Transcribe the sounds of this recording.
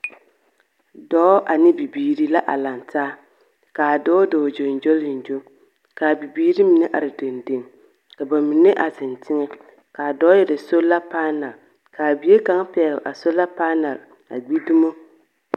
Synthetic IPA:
dɔː˦ʔa˨nɪ˦bi˨biː˨ɾi˦la˦ʔa̰˨la˨ntaː˦ | kaː˨dɔː˦dɔː˨d͡ʒo˨n˨d͡ʒo˦lɪ˨n˨d͡ʒo˦ | ka˨bi˨biː˦ɾi˦mi˨nɛ˦ʔa̰˨ɾɪ˨de˨nde˨ŋ | ka˨ba˨mi˨nɪ˦ʔa˨zɪ˨ntʰɪ˦ŋɛ˦ | ka˨dɔ˦jɛ˨ɾɪ˨so˦la˦paː˦na˨l | kaː˨bi˨˦e˦ka˦ŋ˦pɛ˨˦ɣɾʔa̰˨so˦la˦paː˦na˨ɾ | a̰˨ɡ͡bi˦du˦mo˦

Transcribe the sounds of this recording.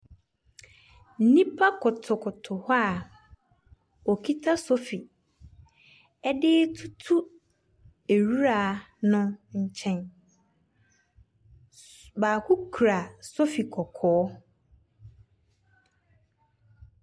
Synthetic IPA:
n̩˦nĩ˦pʰa˦kʰʊ˨tʰʊ˨kʰʊ˨tʰʊ˨ha˦˨ | ɔ˨kʰi˦tʰa˦sɔ˦fi˨ | ɛ˦dɪ˦tʰu˦tʰu˦ | e˨ɾu˦ɾa˨ | nʊ̃˦ɲ̩˦t͡ɕʰɛ̃˦n | baː˨kʰʊ˦kʰɾa˨sɔ˦fi˨kʰɔ˨kʰɔː˨˦

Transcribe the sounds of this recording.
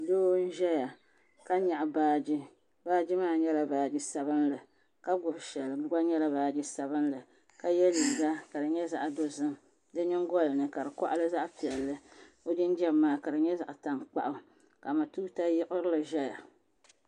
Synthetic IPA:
doː˦n̩˦ʒɛ˦ja˨ | ka˦ɲa˨ʔbaː˦d͡ʒɪ˦ | baː˦d͡ʒɪ˦maː˦˨ɲɛ˦la˨baː˨d͡ʒɪ˦sa˨βɨ˦nlɨ˨ | ka˦ɡʊ˨bʃɛ˨lɨ˨˦ɡa˦ɲɛ˦la˦baː˨d͡ʒɪ˦sa˨βɨ˦n˦lɨ˨ | ka˦jɛ˦li˨ɡa˦ka˨dɨ˨ɲɛ˦za˨ʔdo˦zɨ˦m | dɨ˦ɲɪ˦ŋ˦ɡɔ˦lɨ˨nɨ˨ka˨ɾɨ˨kɔ̰˦ʔlɨ˦za˦ʔpi˨ɛ˨lːɨ˦ | o˦dɪ˦n˦d͡ʒɛ˦˨mːaː˨ka˨dɨ˨ɲɛ˦za˨ʔta˨mk͡pa̰˦ʔʊ˦ | ka˨ma˨tuː˦ta˦jɪ˦ʔʊ˦ɾɨ˦lɨ˨ʒɛ˦ja˨

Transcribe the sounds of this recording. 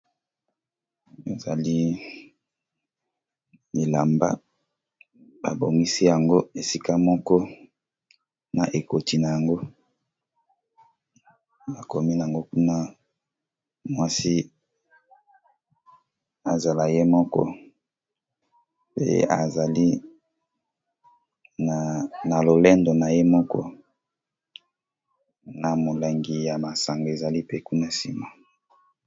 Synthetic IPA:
e˨za˨li˦ | i˨la˨mba̰˦ | ba̰˨bo˨ŋi˦si˦ja˨ŋɡo˦e˨si˦ka˦mɔ˦kɔ˦ | na˨ʔe˨ko˨ti˨na˨ja˨ŋɡo˦ | a˨ko˨mi˦n˨a˨ŋɡo˦ku˦na˦ | mwa˦si˦ | a˨za˨la˨je˦mɔ˦kɔ̰˦ | pḛ˦a̰˨za˨li˦˨ | na˨lo˨le˦ndo˨na˨je˦mɔ˦kɔ̰˦ | na˨mo˨la˨ŋɡi˨ja˨ma˨sa˨ŋɡo˨e˨za˨li˦pe˦ku˦na˦si˨mo˨

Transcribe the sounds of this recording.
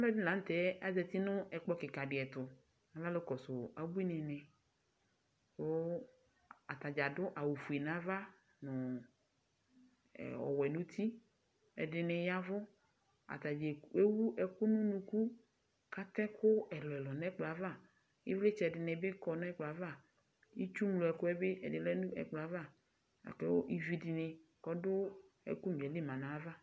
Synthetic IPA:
a˦lɔ˦dɪ˦la˨˦n̩˦t̪ɛ˨˦a˦zɛ˨t̪i˦nʊ̃˦ʔɛ˨k͡pɔ˦kɪ˨ka˨ɖɪ˨ɛ˨t̪ʊ˨ | a˦la˦lʊ˦kɔ˨sʊ˨a˨bu˦i˦nɛ̃˨nɛ̃˨ | so˦ | a˨t̪a˨d͡ʒa˨dʊ˦ʔa˨wu˨fu˨ɛ˨nã˨˦va˦ | nʊ̃˨ | ɔ̰˨wɛ˨nũ˦t̪ʰi˦ | ɛ̰˨dɪ˨nɛ˨ja˦vʊ˦ | a̰˨t̪a˨d͡ʒe˨e˦wu˦ʔɛ˨kʊ˦nũ˦nũ˨ku˦ | ka˦t̪ɛ˦kʰʊ˦ɛ˨lɔ˨ɛ˨lɔ˨nɛ˦k͡pla˨˦va˦˨ | jɪ̰˦vle˦t͡ʃɛ˨dɪ˨nɛ˨bɪ˦kɔ˨n˦ɛ˦k͡pla˨va˦˨ | i˦t͡ʃu˦mlʊ˨ɛ˨kʊ˦ɛ˦be˦ʔɛ̰˨dɪ˨lɛ˦nũ˦ɛ̰˨k͡pla˦va˦˨ | a̰˨kɛ˦wo˦ʔi˦vi˦dɪ˨nɪ˨kɔ˦dʊ˦ | ɛ̰˨ku˦n˨ɛ˨li˦mã˨nã˨˦va˦

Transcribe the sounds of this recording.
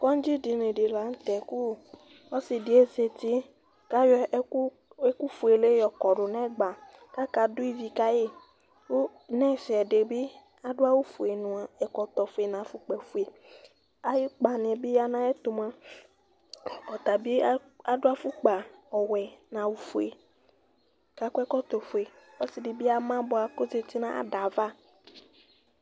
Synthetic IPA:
kɔ˦ŋ̩˦d͡ʒi˦di˨ne˨ɖe˨la˨˦ŋ̩˦t̪ɛ˨ku˦˨ | ɔ˦si˨di˨e˦se˨t̪i˦ | ka˦jɔ˦ | e˦ku˦fu˨e˨le˦jɔ˨kɔ˨ɖʊ˨nɛ̃˦˨ɡ͡ba˨ | ka˦ka˨du˦i˦vi˨ka˦je˦ | wo˦ | nɛ̃˦˨si˨ɛ˨ɖe˨bi˦ | a˦ɖʊ˦a˦wu˦fu˨e˨nũ˨a˨ɛ˨kɔ˨t̪ɔ˨fu˨e˨nã˨fu˨k͡pɛ˨fu˨e˨ | a˨jɪ˦k͡pa˨n˨ɛ˨bi˦ja˦nã˦ɛ˦t̪ʊ˨mã˦ | ɔ˨t̪a˨bi˦ | a˨dʊ˦a˦fu˦k͡pa˨ɔ˨wɛ˨nã˨wu˦fu˨e˨ | ka˦kɛ˦kɔ˦t̪ɔ˨fu˨e˨ | ɔ˦sɪ˨de˨bi˦a˦mã˦bʊ˨˦a˨ko˦ze˨ti˦nã˦a̰˦ɖa˨va˦

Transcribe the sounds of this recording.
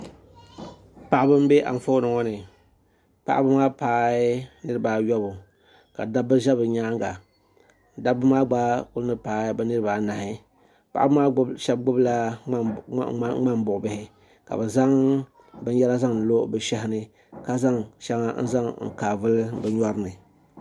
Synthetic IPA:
pa˨ʔa˦bɨ˦m̩˦be˦ʔa̰˨m˨fo˦nɨ˨ŋɔ˦nɨ˨ | pa̰˨ʔa̰˦bɨ˦maː˦paː˨˦nɨ˦ɾɨ˨baː˨jɔ˦bʊ˨ | ka̰˨da˦bɨ˦ʒa˦bɨ˨ɲaː˦ŋɡa˨ | n˨da˦bɨ˦maː˦ɡ͡ba˦kʊ˦lnɨ˦paː˨˦bɨ˦nɨ˦ɾɨ˨baː˨na˨hɪ˦ | pa̰˨ʔa˦bɨ˦maː˦ʃɛ˦b̚ɡ͡bʊ˦bla˦ | ŋ͡ma˦m˦bʊ˨ʔʊ˨bɪ˦hɪ˦ | ka̰˨bɨ˨za˦ŋ | bɨ˦n˦jɛ˦la˦za˦ŋ˨n̩˨lo˦bɨ˨ʃɛ˦hɪ˦nɨ˦ | ka˦za˦ŋʃɛ˦ŋa˦n̩˦za˦ŋŋ̩̰˨kaː˨vɨ˦lbɨ˨ɲɔ˦ɾɨ˦nɨ˨

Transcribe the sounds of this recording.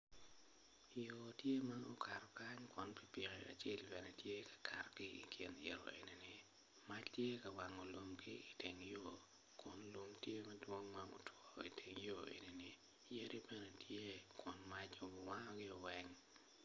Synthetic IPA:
i˨jo˨tje˦ma˦no˦kʰa˨ɾɔ˨ka˦ɲkwɔ˨˦npi˨pi˨ɣe˨a̰˨t͡ʃe˦˨lbɛ˨nɛ˦tje˦kḁ˨kʰa̰˨rɡɪ˦ḭ˨kʰɪ˨nɪ̰˨ɾɔ̰˨ḛ˨ni˨ni˨ | ma˦t͡ʃtje˦ka˨wa˨ŋo˨lo˨mkɪ˦i˨te˨ŋjo˨ | kʊ˨nlo˨mtje˦mɐ˦dwo˦ŋma˦mo̰˨twɔ˦ḭ˨tʰe˨ŋjo˦ḛ˨ni˨ni˨ | je˦ɾi˦bɛ˦ne˦tʰje˦kwɔ˨nma˦t͡ʃo˨wa˦ŋɔ˦ɡɪ˦o˨wɛ˦ŋ

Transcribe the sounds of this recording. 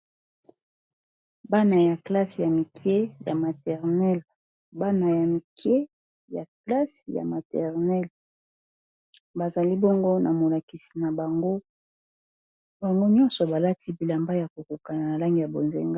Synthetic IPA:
ba˦na˨ja˨kla˦sja˨mi˨kʰje˦ja˨ma˨tɛ˨ʁnɛ˦l | ba˦na˨ja˨mi˨ke˦ | ja˨kla˦sja̰˨ma˨tɛ˨ʁnɛ˦l | ba˨za˨li˦bɔ˦ŋɡo˦nʔa˨mo˨la˨ki˨si̥˨na˨ba˨ŋɡo˦ | ba˨ŋɡo˦ɲɔ˦nsɔ˨ba˨la˦ti˦bi˨la˨mba˦ja˨ko˨ko˨ka˨na˨na˨la˦ŋɡi˨ja˨bo˨nzḛ˨ŋɡa˦

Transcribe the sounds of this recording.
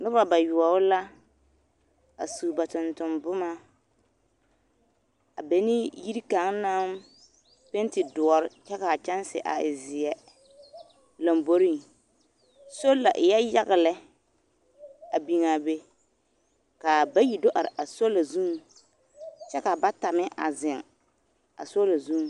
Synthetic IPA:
nʊ˦ba˨ba˨jʊ˨ɔ˨ʊ˦la˦ | a̰˨suː˨ba˨tʊ˨ntʊ˨mbʊ˦ma˦ | a̰˨be˦nɪ˦ji˦ɾi˦ka˨˦ŋna˦m | pe˦n˦tɪ˨dʊ˨ɔ˨ɾɪ˦t͡ʃɛ˦ka˨t͡ʃɛ˦n˦sɪ̰˨ʔa̰˨ɪ˨zɪ˨ɛ˨ | la˨mbo˦ɾi˦ŋ | so˦la˨ʔɪ˨jɛ˦ja˦ɣɪ˨lɛ˦ | a˨bi˨ŋa˨be˦ | ka˨ba˦ji˨do˦ʔa˨ɾɪ˨ʔa˨so˦la˨zũ˦ŋ | t͡ʃɛ˦ka˨ba˦ta˨mɪ˦ʔa̰˨zɪ˨ŋ | a̰˨so˦la˨zũ˦ŋ˨

